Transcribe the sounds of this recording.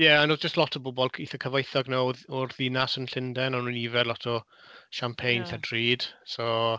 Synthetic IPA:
jɛanɔd͡ʒəstlˠɔtʰɔbʊbɔlˠʰiθəkʰəvajθɔɡnɔɔrðɪnasənɬɪndɛnanuniːvɛdlˠɔtʰɔ | ʃampʰejnɬadriːd̥so

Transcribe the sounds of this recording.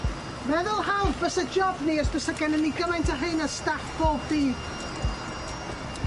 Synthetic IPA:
mɛðʊlˠhawvbəsad͡ʒɔbniɔsb̥əsaɡɛnəniɡəmajntʰaɦɨnəstafb̥oːb̚diːd

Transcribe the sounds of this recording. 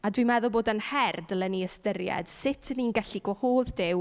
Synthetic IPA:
adwimɛðʊboːdənhɛrdəlɛniəstərjɛ̰d̥sɪtʰəninɡɛɬiɡwɔhoːðdɪw

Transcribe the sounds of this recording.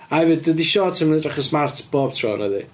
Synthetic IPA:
aɛvɨd̚dədiʃɔːtʰɪmnɛdrɛχəsmartʰb̥oːb̥̚tʰrɔ̰ːnəðḭ

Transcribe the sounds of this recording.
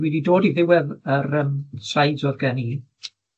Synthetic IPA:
wiːdidoːdiðɪwɛðəɾəmsajzɔðɡɛniː

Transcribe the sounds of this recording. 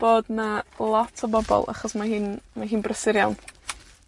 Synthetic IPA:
b̥oːdnalˠɔtʰəbɔbɔ̰lˠa̰χɔsmaɦɨːnmaɦɨːnbrəsɪɾjawn

